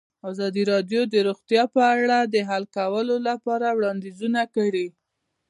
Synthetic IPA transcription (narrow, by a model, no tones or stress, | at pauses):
ɑzɑd̪iɾɑd̪jod̪əɾoɣt̪jɑpəaɽad̪əɦalkawəlolapɑɾawɽɑnd̪izunakəɽi